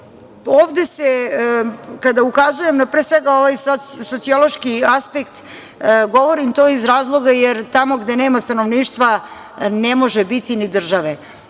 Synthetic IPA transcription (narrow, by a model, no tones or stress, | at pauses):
oːʋd̪e̞se | kad̪aukazuje̞mnapɾeːsʋe̞ɡao̞ʋajsosot̪sio̞lo̞ʃkiaspekt̪ | ɡo̞ʋo̞ɾimt̪o̞ːizɾaːzlˠo̞ɡajeɾt̪amo̞ɡd̪ene̞ːmast̪ano̞ʋniːʃt̪ʋa | nemo̞ʒebit̪inid̪r̩ʒaʋe